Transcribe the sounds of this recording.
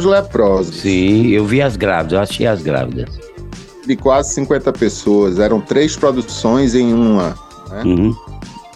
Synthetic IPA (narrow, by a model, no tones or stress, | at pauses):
ʒlɛpɾɔzsĩewviɐzɡɾa̰vid̪zewaʃḛjazɡɾa̰vid̪ɐs | d̪ɪkwazɪsĩŋkwẽnt̪ɐpesoɐzɛɾɐ̃w̃t̪ɾejspɾod̪usõj̃zẽj̃ũɐ | nɛũhũ